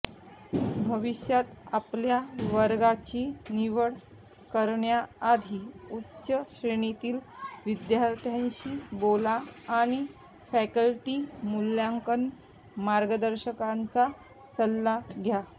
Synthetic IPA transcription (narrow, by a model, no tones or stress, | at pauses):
bʱəʋiɕjat̪apljaʋəɾɡat͡ɕiːniʋəɽ | kəɾɳjaːd̪ʱiːutːɕəɕɾeɳ̃et̪iːlʋid̪jaɾt̪ʰjaɲɕiːbolaːɽ̃i | fækəlʈiːmuljaŋkən | maɾɡəd̪əɾɕəkant͡sa | səlːaɡʱja